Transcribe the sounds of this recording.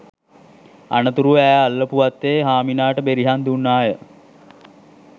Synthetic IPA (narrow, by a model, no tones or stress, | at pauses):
a̰nət̪uɾuæːalːəpuʋat̪ːeːɦaːminaːʈəbeɾiɦand̪unːaːjə